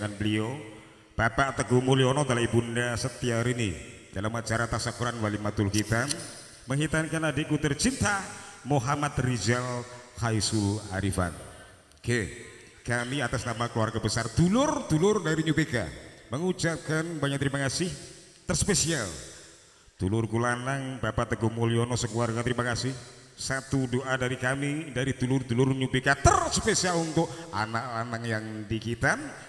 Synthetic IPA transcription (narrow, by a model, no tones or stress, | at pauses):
ŋanbəlio | b̥apaʔt̪əɡumuliɔnɔd̪alaibundasət̪iaɾinḭ | d̥alamːat͡ʃaɾat̪asakuɾanwalimat̪ulɦit̪am | məŋɦit̪ankanadekut̪ərt͡ʃint̪amoɦamat̪rid͡ʒalkaisula̰ɾifa̰n | ke | kamiat̪asnamakəluwarɡabəsard̪ulʊrt̪ulʊrdaɾiɲubeka̰məŋut͡ʃap̚kanbaɲak̚t̪əɾimakasɪh | t̪ərsə̥pesial | t̪ulʊrɡulanaŋbapat̪əɡomolionɔsəkuarɡat̪əɾimakasɪhsat̪udoʔadaɾikamidaɾit̪ulʊrt̪ulʊrɲubekat̪ərsəpesialunt̪ʊk̚a̰nak̚lanaŋjaŋdikit̪an